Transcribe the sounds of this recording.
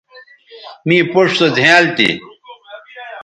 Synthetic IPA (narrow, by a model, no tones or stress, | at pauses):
mĩːpoʂsod͡zʱẽaːlt̪ḭ